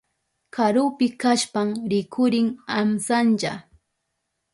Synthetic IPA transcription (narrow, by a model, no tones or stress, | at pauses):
kaɾʊpɪkaʃpamɾɪkʰʊɾɪŋamsant͡ʃa